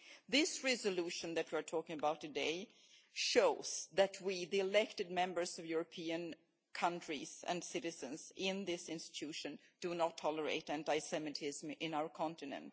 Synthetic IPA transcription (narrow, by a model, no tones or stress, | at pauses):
ðɪsɹɛzəluʃɨ̃nðɨt̚wiə˞tʰɔkɪ̃ŋəbaʊtʰɨdeɪ | ʃoʊz̥ðɨt̚ʰwiðiɨlɛk̚tɨd̚mɛ̃mbə˞zʌvjuɹəpʰiɨ̃n | kʰʌ̃ntɹ̥iz̥ɨ̰̃nsɪɾɨzɨ̃nzɪ̃nðɪsɪ̃nstɪ̥tʰʉʃɨ̃nd̥ɨnətʰːɔləɹḛɪɾɨ̃ntaɪsɛmɨɾʰɪzmɪ̃naʊə˞kʰɑ̃ntɨnɨ̰̃nt̚